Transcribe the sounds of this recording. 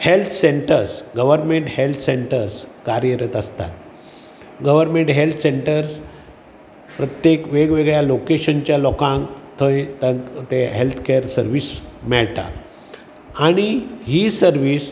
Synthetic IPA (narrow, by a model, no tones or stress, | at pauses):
helt̪ʰseɳʈəɾsɡəʋəɾmeɳʈhelt̪ʰseɳʈəɾskaɾjəɾət̪əst̪a̰t̪ | ɡəʋəɾmeɳʈɦelt̪ʰəseɳʈəɾs | pɾət̪jekʋeɡʋeɡɭjalokeɕənt͡ɕjalɔkãŋkt̪ʰəjt̪ət̪eɦelt̪ʰkeɾsəɾʋiːsmɛɭʈa̰ | aɽ̃iɦiːsəɾʋiːs